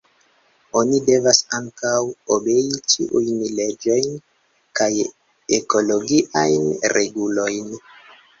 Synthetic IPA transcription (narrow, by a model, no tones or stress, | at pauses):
o̞nide̞vasaŋkawobe̞it͡ʃḭʔujnle̞d͡ʒo̞jn | kaj | e̞ko̞lo̞ɡiʔajnɾʔe̞ɡulo̞jn